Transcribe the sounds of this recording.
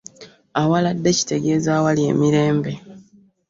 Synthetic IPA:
awaladːe̞ci̥te̞ɡe̞ːzaːwalje̞̰ːmiɾe̞ːmbe̞

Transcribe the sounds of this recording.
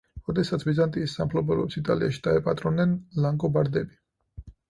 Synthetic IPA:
ɾɔd̪ɛsat̪sʰbizant̪ʼiːsːa̰mpʰlɔbɔɾɔpsit̪ʼa̰liaʃi̥d̪̥aɛpʼat̪ʼɾɔnːɛnlaŋɡɔbaɾd̪ɛbi

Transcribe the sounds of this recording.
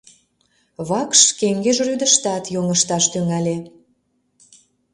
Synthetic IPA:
βɑkʃkeŋɡeʒryd̪əʃt̪ɑt̪joŋəʃt̪ɑʃt̪yŋælʲe

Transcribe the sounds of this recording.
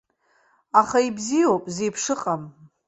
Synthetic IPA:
aχaibzijowpʼze̞jpʰʂɨqʼam

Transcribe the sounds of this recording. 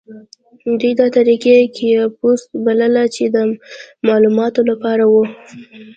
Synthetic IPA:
d̪ujd̪ɑt̪aɾikekʰejpust̪̚baləlat͡ʃed̪əmɑlumɑt̪olapɑɾawu

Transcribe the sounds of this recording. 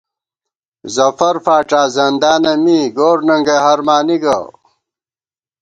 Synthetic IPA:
zɐfɐɾfaːʈ͡ʂaːzɐnd̪aːnɐmiːɡoːɾnɐŋɡeɦɐɾmaːniɡɐ̰

